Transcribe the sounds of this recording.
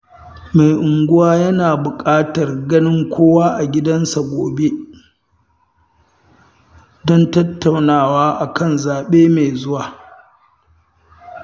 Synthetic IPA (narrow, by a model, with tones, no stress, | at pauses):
ma˨jʔʊ˨ŋɡʷʊ˦waː˦jɐ˦naː˨bʊ˨kʼaː˦tɐ˨rɡɐ˦nɪ˦ŋkʷʰoː˦waː˦ʔa˨ɡʲɪ˦dɐ˦nsa˨ɡʷoː˨be˦ | dɔ˦ntɐ˦tːa˨wnaː˦˨waː˦ʔa˨kɐ˦˨nzaː˨ɓeː˦ma˨jzʊ˦waː˨